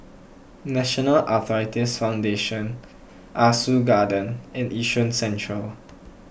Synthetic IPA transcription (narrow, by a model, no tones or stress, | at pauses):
nɛʃɔnəlʔat̪ʰɔɹitisfãw̃ndeʃə̃n | ʔasuɡadə̃nɪ̃nʔiʃə̃nsɛ̃ntɹəl